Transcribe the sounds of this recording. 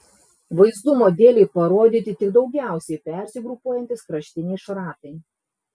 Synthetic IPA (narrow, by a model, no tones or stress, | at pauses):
ʋɐɪzd̪ʊmoːd̪ʲeːlʲɛɪpɐɾoːd̪ʲiːt̪ʲɪt̪ʲɪɡd̪ɒʊɡʲæˑʊsʲɛɪpʲɛˑɾʲsʲɪɡɾʊpuɔjɛnʲt̪ʲɪskɾɐʃʲt̪ʲɪnʲɛɪʃɾɑːt̪ɐɪ